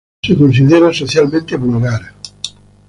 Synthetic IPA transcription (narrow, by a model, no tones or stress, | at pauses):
sekons̬iðeɾasoθjalmẽnt̪eβulɣaɾa